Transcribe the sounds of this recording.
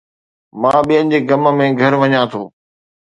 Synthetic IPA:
mãːɓijə̃n̆d͡ʑeːɡɐmə̆mẽɡʱɐɾʋɐɲãt̪ʰoː

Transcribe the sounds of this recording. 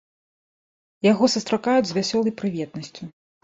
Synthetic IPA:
jaɣɔsust̪ɾakajud͡zʲzʲvʲasʲɔlˠɐjpɾɨvʲɛt̪nɐsʲt͡sʲu

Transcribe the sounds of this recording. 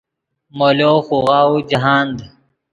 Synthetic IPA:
moːloːxuːɣaːud͡ʑɐɦaːnd̪

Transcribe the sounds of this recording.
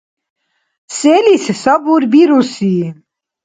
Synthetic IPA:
sɛlissabuɾbiɾusi

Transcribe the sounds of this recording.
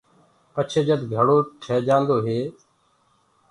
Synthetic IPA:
pət͡ʃʰeːd͡ʒəd̪ɡʱəɽoːʈʰɛːd͡ʒaːnd̪oːɦeː

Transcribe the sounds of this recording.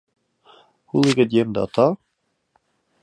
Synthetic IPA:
hulˠiɡɘt̪̚jemd̪ɘɑt̪ɑ

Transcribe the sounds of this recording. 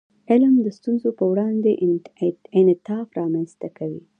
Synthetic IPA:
ɪlmd̪əst̪unzopəwɽɑnd̪eʔ | ɪnɪt̪ɑfɾɑmanst̪akawi

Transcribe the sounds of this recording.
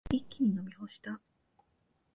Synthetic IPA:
ikʲːiɲ̟ino̞mʲiho̞ɕi̥t̪a

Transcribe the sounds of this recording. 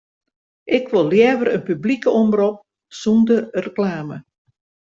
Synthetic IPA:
ʔɪkʋolˠljɛːʋərənpyblikəɔmbrɔp̚ | sundərəklaːmə

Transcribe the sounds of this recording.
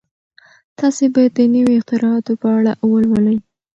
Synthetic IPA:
t̪ɑsebajad̪ːənəwiɪqt̪ɪɾɑɑt̪opəaɽaʔwəlwələj

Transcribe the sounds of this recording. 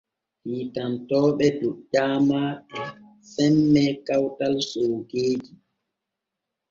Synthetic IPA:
hiːtantɔːɓɛduʄaːmaʔa | sɛmːɛkawtalsowɡeːd͡ʒi

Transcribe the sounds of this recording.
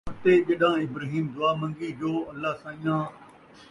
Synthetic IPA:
t̪eʄɐɗãːɪbɾaːɦiːmd̪ʊaːmɐ̃ŋɡid͡ʑoːɐlːasãːɪjãː

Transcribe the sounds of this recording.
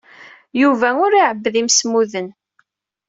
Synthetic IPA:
juvæʊɾiʕəbːðimsmuðən

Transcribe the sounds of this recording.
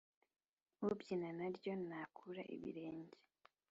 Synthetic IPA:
βubɟinanaɾɟo̞nakʰuɾa̰ʔḭβḭɾe̞ːɲɟe

